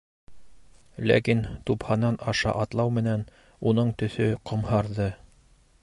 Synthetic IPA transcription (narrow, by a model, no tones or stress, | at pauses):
læ̰kint̪uphɑnːɑnɑʃɑ̰ʔɑt̪lˠɑwmɘ̆næn | unɤɴt̪ɵ̆θɵqŏmhɑɾðɤ